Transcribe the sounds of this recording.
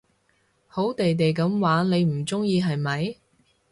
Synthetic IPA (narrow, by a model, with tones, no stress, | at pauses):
ho˨˥wt̪e˨jt̪e˨jk̬ɐ˨˥mwaː˨˥ne˨˧jm̩˨˩t͡sʊ˥ŋjiː˧ɦɐ˨jmɐ˨˧j